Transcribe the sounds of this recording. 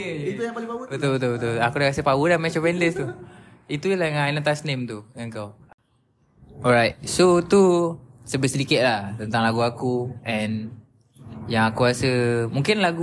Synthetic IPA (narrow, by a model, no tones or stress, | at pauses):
iujaplipawut̪ut̪ut̪uakudakasəpawədahmɛ̃t͡ʃopɛndəst̪u | it̪ulaŋainət̪asnẽmt̪uŋaŋkaw | ɔɹajt̪̚sot̪usəbəsədikɪt̪̚laht̪ənt̪aŋlaɡuakuɛ̃n | jãŋakuɾasəmũŋkɪnlaɡu